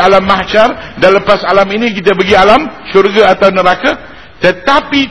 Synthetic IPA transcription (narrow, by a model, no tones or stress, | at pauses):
alamːat͡ʃardanləpasalaminĩkit̪abəɡialamʃurɡaat̪awnəɾaka | t̪ət̪api